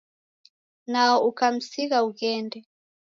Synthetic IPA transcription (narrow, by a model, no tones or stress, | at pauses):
naɔukam̩siɣauɣɛndɛ